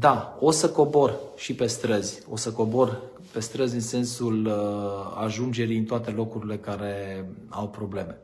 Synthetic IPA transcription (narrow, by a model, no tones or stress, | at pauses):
d̪ao̞səko̞bo̞rʃipe̞st̪ɾəzʲ | o̞səko̞bo̞r | pe̞st̪ɾəzʲɨnse̞nsul | a̰ʒund͡ʒe̞ɾijɨnt̪oat̪e̞lo̞kuɾile̞kaɾe̞awpɾo̞ble̞me̞